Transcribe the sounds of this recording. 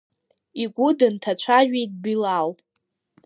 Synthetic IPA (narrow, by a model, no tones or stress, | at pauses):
iɡʷʊdɨntʰat͡ʃʷʰaʒᶣʷejt̚ʼbilal